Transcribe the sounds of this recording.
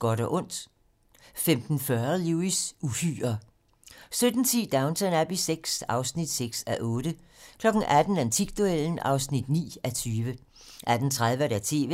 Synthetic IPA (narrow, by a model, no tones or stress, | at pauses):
ɡ̥ɒɾɒʔɔ̽n̰d̥ | femd̥n̩fɶɐluisufy̰ːɐ | sød̥n̩t͡sʰḭːd̥ɑ̈ʊnsʰænæb̥iseɡ̥sɑ̈ʊsnid̥seɡ̥sæʔɔ̽ːd̥ə | kʰlɒ̽ɡ̥n̩æd̥n̩ænt͡sʰiɡ̥d̥ueln̩ɑ̈ʊsnid̥nḭːæt͡sʰyːʋə | ʔæd̥n̩t͡sʰʁað̞ˠʋəɾ̥æɐt͡sʰe̝̰ːʋe